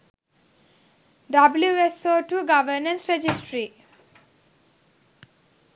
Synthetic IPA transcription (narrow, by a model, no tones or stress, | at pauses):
ɖabljuesoːʈuːɡaʋəɾnə̃nsɾed͡ʒisʈɾi